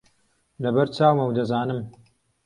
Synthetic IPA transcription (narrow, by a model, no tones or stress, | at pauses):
lɐbɐɾt͡ʃaːwmɐwd̪ɐzaːnɨm